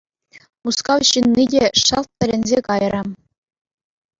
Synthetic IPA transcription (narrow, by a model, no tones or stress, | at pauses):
uskɑwɕɯnːidʲeʂɑlt̪̚pʲɘ̆lʲɘ̆nʲzʲekɑjrɾɤ̆